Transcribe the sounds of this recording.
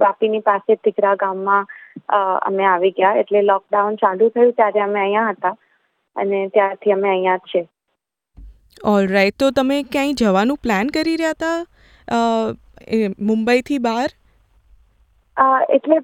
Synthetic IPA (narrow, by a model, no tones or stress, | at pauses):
bapinipaset̪ɪɡɾaɡamːã | ə̰meaʋiɡjaḛʈlelɔk̚ɖaunt͡ʃalũt̪ʰəjũt̪jaɾeəmeəjãɦət̪a | ə̰net̪jaɾt̪ʰiəmeəjãt͡ʃʰe | ɔlɾaiʈ̚t̪ot̪əmekjãĩd͡ʒəʋanũplænkəɾiɾəjat̪a | emʊmbəit̪ʰibaɾ | əḛʈle